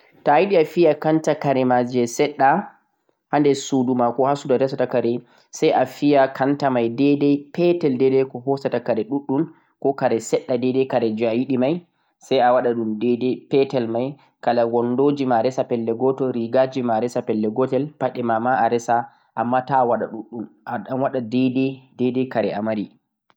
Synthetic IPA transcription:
tajiɗiafijakantakaɾɛmad͡ʒɛsɛɗːa | handɛsudumakɔhasudaɾɛsatakaɾɛ | sajʔafijakʰantamajdɛdɛpɛtɛldɛdɛkɔhɔsatakaɾɛɗuɗːum | kɔkaɾɛsɛɗːadɛdɛkaɾɛd͡ʒajiɗimaj | sajawaɗaɗumdɛdɛpɛtɛlmaj | kalawɔndod͡ʒimaɾɛsapɛlːɛɡɔtɔɾiɡad͡ʒimaɾɛsapɛlːɛɡɔtɛlpaɗɛmamaʔaɾɛsa | ʔamːatawaɗa̰ɗuɗːunʔaɗanwaɗadɛdɛdɛdɛkaɾɛamaɾi

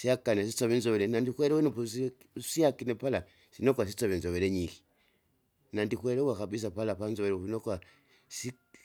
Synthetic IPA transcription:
siakanesisoβinzoβeɾenandikweɾewenupus | siakinepala | sinokwas̬it͡soβinzoβeɾeɲiki̥ | nandikweɾewakaβis̬apalapanzoβeɾoβinoka | si

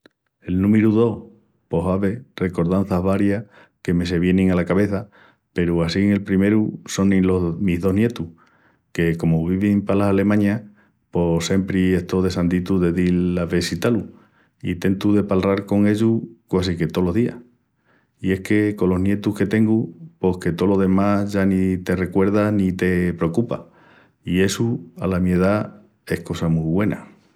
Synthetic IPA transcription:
e̞lnũmeɾuðo̞h | po̞ɦaβe̞re̞ko̞ɾðan̟θaɦβaɾja | ke̞me̞s̬e̞βje̞nĩŋalakaβe̞θa | pe̞ɾuasiŋe̞lpɾime̞ɾuso̞nĩlomiɦðo̞ɦnje̞t̪u | ke̞ko̞muβiβimpalasale̞mãɲa | po̞se̞mpɾie̞ht̪o̞ðe̞sand̪it̪uðe̞ðilːaβe̞sit̪alu | it̪e̞nt̪uðe̞palraɾko̞ŋe̞ʎukwas̬ike̞t̪o̞lo̞ɦðia̰h | ie̞hke̞ko̞lo̞ɦnje̞t̪uhke̞t̪e̞ŋɡupo̞hke̞t̪o̞lo̞ðe̞maʝanit̪e̞re̞kwe̞ɾðanit̪e̞pɾeokupa̰ | ie̞sua̰lamjeð̞a | e̞hko̞samuβwe̞na̰

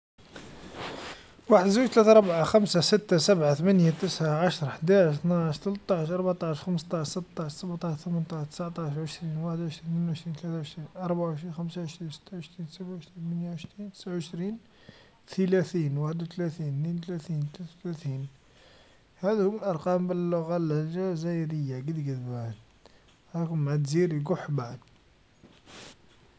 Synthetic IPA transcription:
waħəd̪zuʒt̪læt̪aɾˤɑbʕaxæmsasət̪ːasæbʕat̪əmænjat̪əsʕaʕaʃɾˤɑħd̪aʕəʃt̪naʕəʃt̪ələt̪ˤːɑʕʃʔɑɾˤbaʕt̪ˤɑʃxəməst̪ˤɑʃsət̪ːɑʃsəbʕt̪ˤɑʃt̪əmənt̪ˤɑʃt̪ə̥sʕt̪ˤɑʃʕəʃɾinwaħəd̪ʕəʃɾininʕəʃɾiːnt̪læt̪aʕəʃɾinʔɑɾˤbaʕʕəʃɾinxəmsaʕəʃɾinsə̥t̪ːaʕəʃɾiːnsæbʕəʃɾinmənjaʕəʃɾint̪ə̥sʕʕəʃɾin | t̪ʰəlæθinwaħəd̪wt̪læt̪inint̪læθint̪læt̪t̪læθin | hæd̪huməlʔɑɾˤqɑmbəlːʊɣaləʒazæjd̪əjːaɡəd̪ɡəd̪bæn | ɾɑkʊmʕæt̪ziɾiɡʊħbaʕəd̪

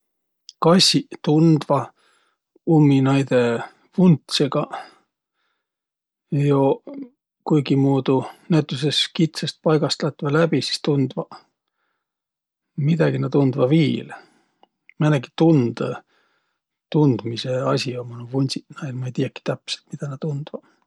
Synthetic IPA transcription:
kɑsʲit̪und̪̥vɑ | umːinɑjd̪e̞ | vunt̪seɡ̥ɑ | jo | kujɡ̥imuːd̪̥unæt̪ˑːus̬eskit̪sest̪̚pɑjɡ̥ɑst̪lɑt̪ːˑvɑlæb̥isi̥st̪und̪̥vɑ | mid̪̥ɑɡ̥inɑt̪und̪̥vɑviːl | mæneki̥t̪und̪̥ | t̪und̪̥miseɑsʲiomonovunʲsinɑjlmɑejt̪ijɑkːi̥t̪æpselt̪mid̪̥ɑnɑt̪und̪̥vɑ

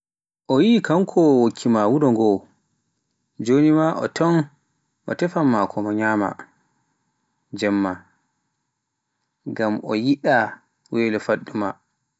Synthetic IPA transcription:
ʔɔjikaŋkʰɔwokʰːimawuɗɔŋɡɔw | d͡ʒonimaʔɔ̰tʰɔn | ʔɔ̰tɛfamːakʰɔmaɲama̰ | d͡ʒɛmːa | ɡamʔɔ̰jiɗa | weːlɛfaɗːuma̰

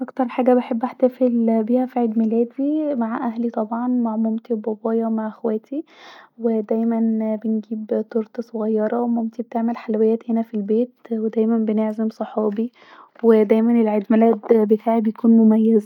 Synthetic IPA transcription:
ʔɑkt̪ɑɾˤħaːɡæbeħebːʔaħt̪æfelbiːhæfiʕed̪mælæːd̪wimaʕʔæhlit̪ˤɑbʕɑnmaʕmomt̪iwbɑbɑːjɑmaʕʔexwæːt̪iwed̪æjmænbenɡiːbt̪oɾˤt̪sˤoɣɑjːɑɾˤɑwemomt̪ibet̪eʕmelħalwejːæːt̪henæfilbeːt̪wed̪æjmænbeneʕzemsˤɑħɑːbi | wed̪æjmænelʕed̪mælæd̪bet̪ʰaːʕibejækuːnmomæjːæz

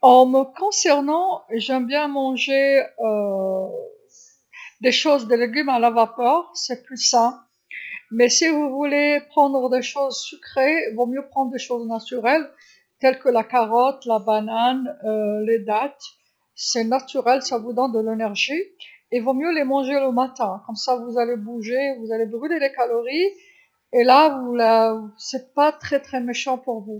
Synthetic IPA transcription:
ɑ̃məkɔ̃sɛʁnɑ̃ʒɛmbjɛ̃mɑ̃ʒeø | d̪eʃozd̪əleɡʲymalavapœʁsɛplysã | mɛsivuvulepχɑ̃d̪ʁəd̪eʃozsykχevɔ̃mjøpχɑ̃d̪ʁəd̪eʃoznat̪yʁɛl | t̪ɛlkəlakaʁɔt̪labananøled̪at̪ | sɛnat̪yʁɛlsavud̪ɔ̃nd̪əlenɛʁʒi | evɔ̃mjølemɑ̃ʒeləmat̪ɛ̃kɔmsavuzalebuʒevuzalebʁylelekalɔʁi | elavulasɛpat̪χɛt̪χɛmeʃɑ̃puʁvu

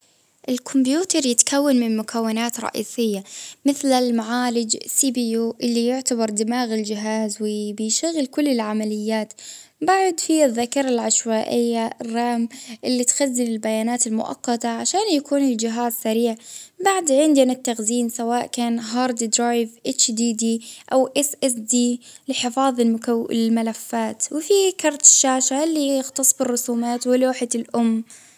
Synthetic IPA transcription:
ʔɪlkʰʊmbjuːt̪ɑɾˤjɪt̪kʰawːanmɪnmʊkʰawːɪnaːt̪ɾˤɑ̰ʔḭːsɪjːamɪθlalmaʕaːlɪd͡ʒsiːbijuːʔɪlːijʊʕt̪abɑɾˤd̪ɪmaːɣɪld͡ʒɪɦaːzwɪbɪjʃaɣːɪlkʊlːɪlʕamalɪjːaːt̪ | baʕd̪fiɪðːakɑɾˤɑlʕaʃwaːʔɪjːarˤːɑmʔɪlːit̪xazːɪnɪlbajaːnaːt̪ɪlmʊ̰ʔɑ̰qːɑt̪aʕaʃaːnjakʰuːnɪld͡ʒɪɦaːzsaɾiːʕbaʕd̪ʕɪnd̪anɪt̪ːaɣziːnsawaːʔkaːnɦɑːɾˤd̪id̪ɾɑːjvʔɪt͡ʃd̪iːd̪iʔawʔɪsʔɛsd̪iːlɪħɪfɑːðˤɪkalmalafːaːt̪wɪfikɑɾˤt̪ɪ̥ʃːaːʃaɪlːijɪxt̪ɑsˤbɪrˤːʊsuːmaːt̪wɪloːħɪt̪ɪlʔʊmː

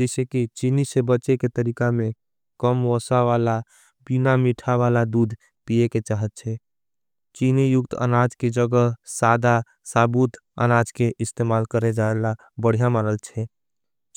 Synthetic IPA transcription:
d͡ʒəɪsekit͡ʃinisebəːt͡ʃeket̪əɾikamẽ | kəmʋɔsaʋala | binamiʈʰaʋalad̪ud̪ʱ | pijeket͡ʃaɦət̪̚t͡ʃʰɛ | t͡ʃinijʊkt̪ə̰nad͡ʒked͡ʒəɡəsad̪a | sabut̪ | ə̰nad͡ʒkeʔɪst̪emalkəɾed͡ʒaela | bəɽ̤ijamaɾəlt͡ʃʰɛ

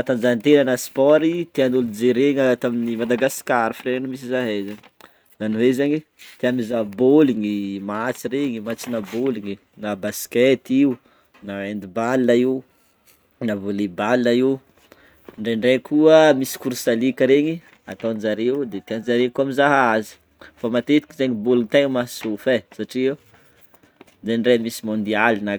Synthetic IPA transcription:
at̪and͡ʒant̪enanaspɔɾit̪eanulud͡zeɾeɲat̪aminimad̪aɡasi̥kʲaɾifrenumis̬izaɦezaɲi | zaniwezaɲi | t̪eamizaboliŋimat͡siɾeɲimat͡sinaboliɲi | nabaskɛt̪iu | naend̪ibalinaiu | navolibaliaiu | ɳɖ͡ʐeɳɖ͡ʐekʰuəmisi̥kuɾsalikʲəɾeɲi | a̰t̪anzaɾeud̪et̪eanzaɾekuamizaɦaazi̥ | famat̪et̪i̥kizeɲiboliŋit̪eɲmḁsufesaʈ͡ʂie | d̪eɳɖ͡ʐenimisimond̪ialina

